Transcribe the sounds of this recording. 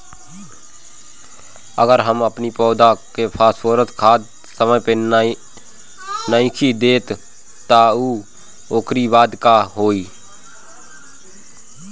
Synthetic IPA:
ə̰ɡəɾɦəməpnipɔːd̪akepʰaːswoːɾət̪kʰaːd̪ | səməjpe | nəɪ̃kʰid̪eːt̪ː | auː | oːkɾibaːd̪kaɦoːiː

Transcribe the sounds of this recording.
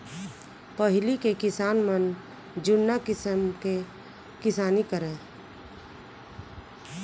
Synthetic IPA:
pəɦɪlikekɪsaːnmən | d͡ʒʊnːakɪsəmke | kɪsaːnikəɾẽː

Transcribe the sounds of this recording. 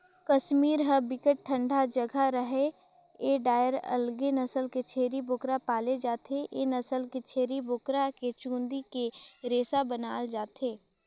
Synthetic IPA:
kɐʃmiːɾɦəbɪkəʈ̚ʈʰːə̃ɳɖʱad͡ʒɐɡʱaɾəɦe | eɖaːjəɾɐ̰lɡenɐsəlket͡ʃʰeːɾibʊkɾapaːled͡ʒaːt̪eʔenɐsəlket͡ʃʰeːɾibʊkɾaket͡ʃũːnd̪ikeɾeːsabənaːld͡ʒaːt̪eː

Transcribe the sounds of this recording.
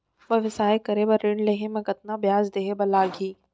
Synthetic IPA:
bɐʋɪsaːekɐɾebɐɾːɪɳleɦemẽkɐt̪̚nabjaːzd̪eːɦebɐlaːɡiː

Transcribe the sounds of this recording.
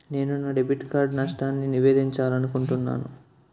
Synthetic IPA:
ne̞ːnunːɐɖebiʈkaːɾɖnaʂʈaːnːiniʋeːd̪iɲt͡ʃaːlɐnukuɳʈunːa̰ːnṵ

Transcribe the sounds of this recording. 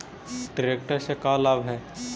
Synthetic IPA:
ɖɪɾeːk̚ʈəɾsekaːlabɦɛː

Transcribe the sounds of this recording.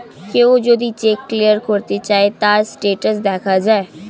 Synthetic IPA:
keoːd͡ʒoːd̪it͡ʃeːkːlijəɾkʰoːɾt̪et͡ʃaːet̪aːsʈeːʈəs̬d̪ɛːkʰad͡ʒaːeː

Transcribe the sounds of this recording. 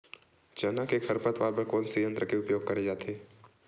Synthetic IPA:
d͡ʒɐnakekʰəɾpət̪ʋaːɾbəɾkoːlsijə̃nt̪ɾəkeʊpjoːɡ̚kɐɾed͡ʒaːt̪ʰeː

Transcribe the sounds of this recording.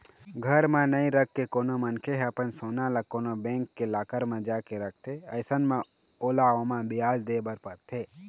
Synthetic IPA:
ɡʱəɾmẽnəĩɾəkʰːekoːnomənkʰeɦɛəpənsoːnalakoːnobẽːŋkːelaːkəɾmẽd͡ʒaːkeɾək̚ʰt̪ʰeəɪsənmẽ | oːlaomãbɪjaːd͡ʒd̪eːbəɾpəɾt̪ʰe

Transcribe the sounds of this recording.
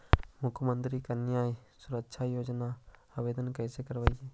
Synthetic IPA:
mʊkʰjəmənt̪ɾikənjaːjsʊɾəkʃʰajoːd͡ʒna | abeːd̪ənkəːsekəɾʋaie

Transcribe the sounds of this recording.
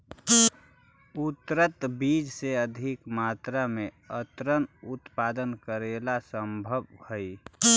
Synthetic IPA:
ʊt̪ɾət̪biːd͡ʒseəd̪ʱɪkmaːt̪ɾamẽ | ət̪ɾənʊt̪paːd̪ənkəɾeːlasəmbʱəbhəi

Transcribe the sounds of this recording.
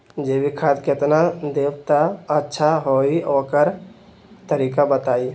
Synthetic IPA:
d͡ʒeːbikʰat̪kɪt̪nad̪eːwt̪aətːʃʰaɦoːioːkəɾ | t̪əɾiːkabət̪aːi

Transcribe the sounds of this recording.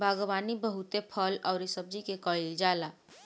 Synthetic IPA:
bʱaɡbanibəɦut̪epʰələʊɾisəb̚d͡ʒikekəɭild͡ʒala

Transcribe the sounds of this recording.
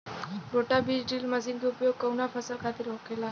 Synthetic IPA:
ɾoʈabid͡ʑɖilməsind̪upjoɡ̚kəwnafʰəsəɾkʰat̪iːɾɦokʰela

